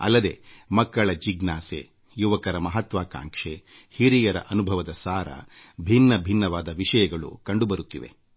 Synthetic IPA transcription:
ɐ̰lːɐd̪e̞̰ːmɐkːɐɭɐd͡ʒiɡnaːsḛ | juʋɐkɐɾɐmɐɦɐt̪ʋaːka̰ːŋkʂehiɾijɐɾɐ̰ʔɐnubʱɐʋɐd̪ɐsaːɾɐ̰bʱinːɐbʱinːɐʋaːd̪ɐʋiʂɐjɐɡɐɭṵkɐɳɖubɐɾut̪ːiʋe̞̰

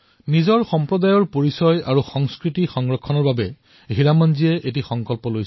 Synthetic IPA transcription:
nizɔɹxɔmpɹɔdajɔɹpoɹisɔja̰ɹuxɔŋskɹitixɔŋɹɔkʰːɔnɔɹbabɛ | ɦiɹamanziɛʔet̬ixɔŋkɔlpɔlojsɛ

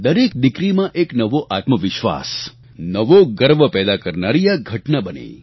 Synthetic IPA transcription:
d̪əɾek̚d̪ɪkɾimãʔeknəʋoʔat̪məʋɪʃʋa̰s | nəʋoɡəɾʋəpɛːd̪akəɾnaɾijaɡʱəʈnabənḛ

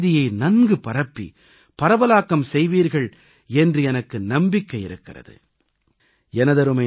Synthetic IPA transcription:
ðɪjɐɪnɐnɡɯpɐɾɐpːḭ | pɐɾɐʋɐlaːkːɐmsɛjʋiːɾɣɐɭ | ɛndrɯɛnɐkːɯnɐmbɪkːɐɪɪɾɯkːɪrɐ̰ðɯ̰ | ɛnɐðɐɾɯmɐ

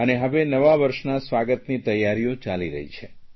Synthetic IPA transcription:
əneɦəʋenəʋaʋəɾʃnasʋaɡət̪nit̪əjːaɾijot͡ʃaliɾə̰ɦḭt͡ʃʰe

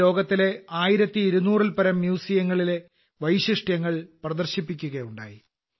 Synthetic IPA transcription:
o̞ːɡɐt̪ːile̞aːjiɾɐt̪ːiiɾunuːrilpɐɾɐmːjuːsijɐŋːɐɭile̞ | ʋɐjɕiʂʈjɐŋːɐɭprɐðɐrɕipːikʲːuɣɐjuɳɖa̰ːji

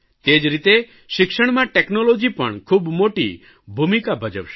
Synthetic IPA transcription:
t̪ed͡ʒɾit̪e | sikʃɔɽ̃maʈeknɔlod͡ʒipɔɳ̃kʰubmoʈḭ | bʱumikabʱɔd͡ʒɔpʃ

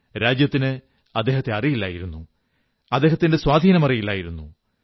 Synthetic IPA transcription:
ɾaːd͡ʑjɐt̪ːinɨ | ɐd̪ːe̞ːɦɐt̪ːe̞ɐrijilːa̰ːjiɾunːu | ɐd̪ːe̞ːɦɐt̪ːinde̞swaːd̪ʱiːnɐmɐrijilːaːjiɾunːṵ

